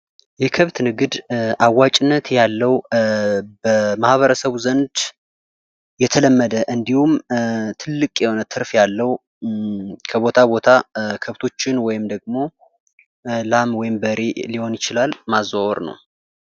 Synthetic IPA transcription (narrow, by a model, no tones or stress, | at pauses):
jɛkʰəβt̪nɨɡɨd̪awːat͡ʃʼɪnːət̪jalːəw | bəmahβəɾəsəβzənd̪ | jɛt̪ʰələmːəd̪əʔɨnd̪ihumt̪ʰɨlːɨkʼjɛho̞nət̪ʰɨɾfjalːəwu | kʰəβot̪ʰabo̞t̪ʰakʰəβt̪ʰo̞t͡ʃːɪnwɔjɪmd̪əɡmo̞ | lamwɔjɪmbəɾeliho̞njɪt͡ʃɪlalmazawoɾnə̰w